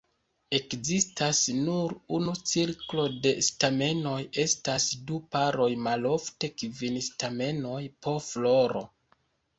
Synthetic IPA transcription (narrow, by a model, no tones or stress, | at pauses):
e̞kzistasnuɾunut͡siɾklo̞de̞stame̞no̞je̞stasdupaɾo̞jmalo̞fte̞kvinstame̞no̞jpo̞flo̞ɾo̞̰